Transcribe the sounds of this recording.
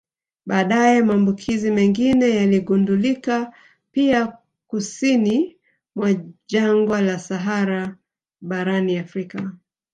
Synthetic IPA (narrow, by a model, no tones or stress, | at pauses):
ɓaːɗajɛmaːmbukʰizimɛŋɡinɛjaliɠundulika | pia | kusini | mwaʄaŋɡwalasaɦaɾa | ɓaɾaniafɾika